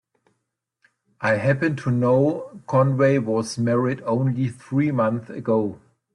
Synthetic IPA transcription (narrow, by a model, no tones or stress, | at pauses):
ʔaɪɦæpɨ̃ntʰunoʊkʰɔ̃nweɪwɔzmɛɹɪdõʊ̃nliθɹiːmʌ̃nθɨɡoʊ